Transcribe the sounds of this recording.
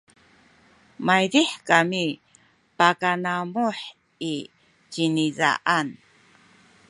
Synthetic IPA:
majdiħkami | pakanamuħ | i | t͡ʃiniza̰ʔan

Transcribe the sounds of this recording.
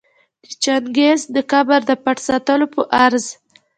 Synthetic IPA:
t͡ʃaŋɡezd̪əkabaɾd̪əpaʈsat̪əlopəʔaɾz

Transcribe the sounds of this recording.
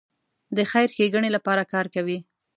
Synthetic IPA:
d̪əxajɾxeɡəɳelapɑɾakɑɾkawi

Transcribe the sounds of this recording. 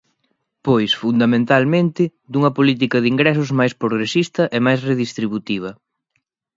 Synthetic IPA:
pojsfund̪ɐmẽnt̪almẽnt̪ɪ | d̪uŋɐpolit̪̬ikɐðiŋɡɾɛs̬ʊzmajspɾoɣɾesist̪ɐʔɛmajsreðist̪ɾiβut̪iβ̞ɐ

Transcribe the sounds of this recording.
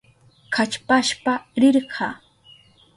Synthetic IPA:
kʰat͡ʃpaʃpaɾɪɾɢʰɑː

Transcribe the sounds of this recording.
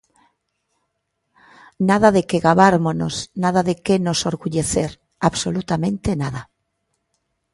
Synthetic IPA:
naðaðekeɣaβaɾmonosnað̞aðekenosoɾɣuʎeθeɾ | aβsolut̪amẽnt̪enaða

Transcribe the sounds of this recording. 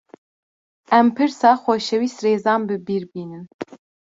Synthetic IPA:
ɛmpʰɨɾsɑːxʷɔʃɛwiːst̪reːzɑːnbɨbiːɾbiːnɨn

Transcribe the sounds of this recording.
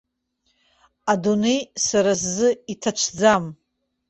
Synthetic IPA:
adunejsaɾas̬ːɨitʰat͡ʃʷʰd͡zam

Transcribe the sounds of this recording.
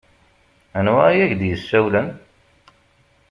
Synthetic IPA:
ænwæjæçd̪jəsːæwlæn

